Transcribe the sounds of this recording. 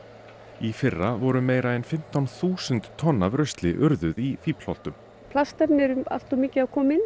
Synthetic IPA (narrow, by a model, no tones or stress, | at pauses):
ifɪrːavɔɾʏmeːjɾaɛnfɪm̥t̪awnθuːsʏnt̪ʰːɔnːavɾœst̪lɪʔʏɾðʏðifiːpl̥ɔ̰l̥t̪ʏm | pʰlast̪ɛɾnɛɾʏma̰l̥t̪ɔmiːcɪaðkʰɔːmɪn